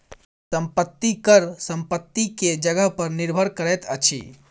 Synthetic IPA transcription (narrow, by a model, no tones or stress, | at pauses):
səmpət̪ːikəɾsəmpət̪ːiked͡ʒəɡəɦpəɾniɾbʱəɾkəɾɛt̪ət͡ʃʰḭ